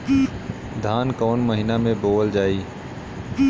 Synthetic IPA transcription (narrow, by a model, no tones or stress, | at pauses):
d̪ʱaːnkoːnməɦɪnaːmẽboːld͡ʒaːiː